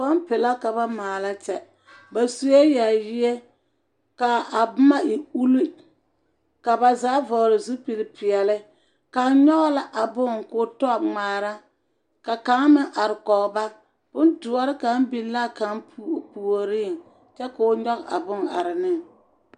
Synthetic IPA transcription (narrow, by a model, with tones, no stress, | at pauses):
ba˦mpɪ˨la˦ka˨ba˦maː˨la˦t͡ʃɛ˦ | ba˨su˨je˦ja˨jɪ˦je˦ | ka˨a˨bma˦i˨u˦li˦ | ka˨ba˨zaː˨˦vɔ˨ɾɪ˨zu˦pi˨lɪ˨pɪ˨ɛ˨lɪ˦ | ka˨˦ɲɔ˦ɣla˦ʔa˨bʊ˦ŋkʊ˨tɔ˦˨ŋ͡maː˨ɾa˦ | ka˨ka˨˦ŋmɪ˦ʔa˨ɾɪ˨kɔ˨ba˦ | b̥ʊ˦ndʊ˨a˦ɾɪ˦ka˨˦m˦bi˦la˦ka˨˦ŋpːpu˨o˨ɾiː˦˨ŋ | t͡ʃɛ˦ka˨o˦ɲɔ˦ɣa̰˨bʊ˦ŋa̰˨ɾɪ˨nɪ˦ŋ